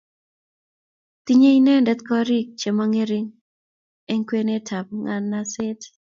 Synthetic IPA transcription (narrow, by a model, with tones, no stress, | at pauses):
t̪i˦ɲe˦i˦nɛ˦ndɛ˦t̪kɔ˦ɾi˦k̚t͡ʃe˨ma˦ŋe˦ɾi˦ŋ | ɛ˦ŋkwe˦ne˦tʰa˨p̚ŋa˦nːa˦sɛ˦t